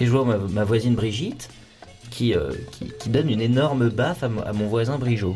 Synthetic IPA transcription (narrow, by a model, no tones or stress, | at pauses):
eʒəvwamamavwazinbʁiʒit̪ | kʲʰiø̰kʲʰḭkʲid̪ɔnynenɔʁməbafama̰mɔ̃vwazɛ̃bʁiʒo